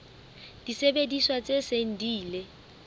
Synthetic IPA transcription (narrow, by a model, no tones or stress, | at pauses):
d̥isebediswat͡sʼeseŋ̩diːle